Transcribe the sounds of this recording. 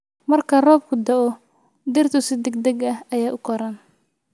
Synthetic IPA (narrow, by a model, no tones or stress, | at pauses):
mɐrkʰɐrɔːb̚kʰʊd̪ɐʔɔ | d̪ɪrt̪ʰʊsɪd̪ɐɡ̚d̪ɐɡɐhɐjaːʔʊkʰɔɾɐn